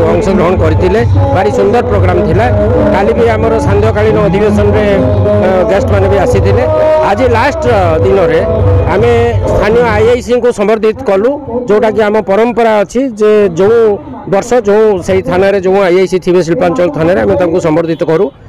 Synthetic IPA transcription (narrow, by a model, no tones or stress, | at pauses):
ɔŋsɔɡɾɔɦɔɽ̃kɔɾit̪ʰilebaɾisund̪ɔɾpɾoɡɾamt̪ʰila | kalibiamɔɾɔsand̪ʱjɔkaɭinɔːd̪ʱibesɔnɔɾe | ɡesʈbanɔbiasit̪ʰilead͡ʒilasʈd̪inɔɾeamest̪ʰanijɔajajsiŋkusɔmbɔɾd̪ʱit̪ɔkɔlũd͡ʒew̃ʈakiamɔpɔɾɔmpɔɾaɔt͡ʃʰid͡ʒed͡ʒeũ | bɔɾsɔd͡ʒeũseɦit̪ʰanaɾed͡ʒeũajajsit̪ʰibes̬ilpant͡ʃɔlt̪ʰɔnaɾeamet̪ãŋkusɔmbɔɾd̪ʱit̪ɔkɔɾũ